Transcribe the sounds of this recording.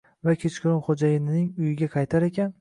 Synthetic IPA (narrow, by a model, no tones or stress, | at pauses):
vakʲʰet͡ʃkʰʲɪɾɒnχod͡ʒajɪnɪnɪŋʊjɪɡʲaqʰɑjt̪ʰaɾe̞kʲʰan